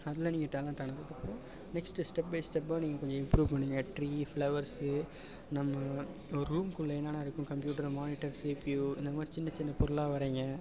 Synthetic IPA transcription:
ɐðɪlɐniːŋɡɐʈaːlɐɳʈaːnɐɾɐðɐpːɯɾõ | nɛksʈɯsʈɛp̚bɐɪsʈɛpːaniːŋɡɐkɔɲd͡ʒɔ̃ɪmpɾuːʋpɐɳːɪːŋɡɐʈɾiːfɭɐʋɐɾsɯ | nɐmːɐ | ɔɾɯɾuːmkʊɭːɐɛnːaːnaːɪɾɯkːʊ̃kɐmpjuːʈɐɾmaːnɪʈɐɾseːpijuɪnd̪ɐmaːɾit͡ʃɪnːɐt͡ʃɪnːɐpɔɾɯlaːʋɐɾeːŋɡɐ

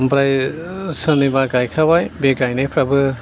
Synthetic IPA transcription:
mpɾajsɯnibaɡajkʰabajbeɡajnajpʰɾabɯ

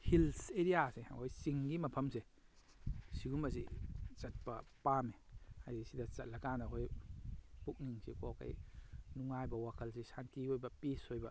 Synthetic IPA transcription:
hilseɾijasḛhojsiŋɡimɐpʰɐmse | siɡumɐs̬it͡ʃɐt̚pɐpamea̰jesidɐt͡ʃɐt̚lɐkanɐɦoj | puk̚niŋsḛkɔkɐ̰jnuŋajbɐwakʰɐlsesantiojbɐpisojbɐ

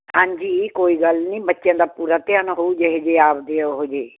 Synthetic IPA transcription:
ɦãːɲd͡ʒiːkoːiːɡəlnĩːbət̪ːʃjãːd̪aːpuːɾaːt̪eãːnaɦoːuːd͡ʒeɦed͡ʒeːaːpd̪eːoɦoːd͡ʒeː

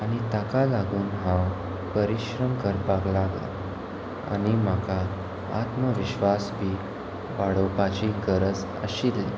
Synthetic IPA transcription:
aɽ̃it̪akalaɡuːnɦãw | pəɾiɕɾəmkəɾpaklaɡla̰ | a̰ɽ̃im̤aka | a̰t̪məʋiɕʋasbʱiː | ʋaɽopat͡ɕiɡəɾəd͡z | ə̰ɕilli

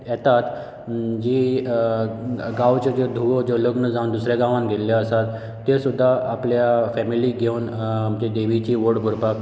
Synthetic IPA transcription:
jɛt̪at̪ | d͡ʑiː | ɡawt͡ɕed͡ʑed̪ʱuʋod͡ʑoləɡnəd͡zawnd̪usɾeɡãʋãnɡʱelljaəsat̪ː | esud̪ʱːaːpljafɛmiliːɡʱewnd͡ʑed̪eʋit͡ɕiːʋoɽɡʱuɾpak

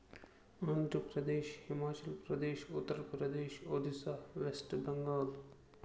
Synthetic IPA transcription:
ɐnd̪əpɾɐd̪eːʃhimaːt͡ɕɐlpɾɐd̪eːʃut̪ːəɾpɾɐd̪eːʃod̪ʱisahʋesʈbəŋɡɐl

